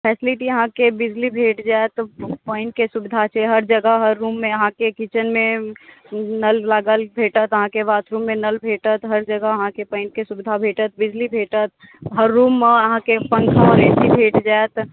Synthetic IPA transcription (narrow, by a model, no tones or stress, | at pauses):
pʰɛːsɪlɪʈijəɦãkebɪd͡ʒlibʱeːʈd͡ʒaːet̪pəːɪnʈkesʊbɪd̪ʱat͡ʃʰɛɦɐɾd͡ʒəɡəɦəɾːuːmːẽjəɦãkekit͡ʃənmẽ | nəllaɡəlbʱeːʈət̪əɦãkeʋaːt̪ʰɾũːmːẽnəlbʱeːʈət̪ɦəɾd͡ʒəɡəəɦãkepə̃ːɪn̚kesʊbɪd̪ʱabʱeːʈət̪̚bɪd͡ʒlibʱeːʈət̪̚ | ɦəɾːuːmːəɦãkepə̃ŋkʰaɔːɾeʈibʱeːʈd͡ʒaet̪